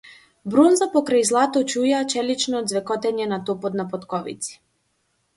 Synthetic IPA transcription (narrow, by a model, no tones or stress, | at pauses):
bɾɔnzapɔkɾajzlˠat̪ɔt͡ʃujat͡ʃɛlit͡ʃnɔːd̪zvɛkɔt̪ɛɲɛnat̪ɔpɔt̪napɔt̪kɔvḭt̪si̥